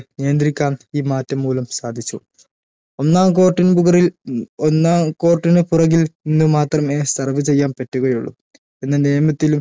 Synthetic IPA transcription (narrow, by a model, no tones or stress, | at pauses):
nejɐnd̪ɾikʲːaːmiːmaːtːɐmːuːlɐmsaːd̪ʱit͡ɕːu | o̞nːaːmko̞ːʈːinbuɣɐrilonːaːko̞ːrʈːinɨpurɐɣilninːumaːt̪rɐmeːsɐrɐʋɨt͡ɕe̞jːaːmpɐtːuɣɐjuɭːṵm | e̞nːɐneːɐmɐt̪ːilum